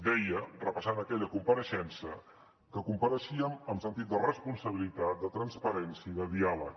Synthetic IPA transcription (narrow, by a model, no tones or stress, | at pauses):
d̪ɛjərəpəsanəkɛʎəkumpəɾəʃɛnsə | kəkumpəɾəʃiəməmsənt̪it̪̚d̪ərəspunsəβ̞ilit̪at̪̚d̪ət̪ɾənspəɾɛnsiəiðəðialək